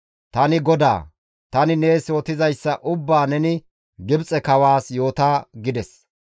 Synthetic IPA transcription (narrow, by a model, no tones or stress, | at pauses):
t̪ɐnɪɡɔd̪a̰ː | t̪ɐnɪne̞ːsoːt̪ɪzɐjsːɐʔʊbːaːnɛnɪ | ɡɪbt͡sʼɛkɐwaːsjo̞ːt̪aːɡɪd̪ɛs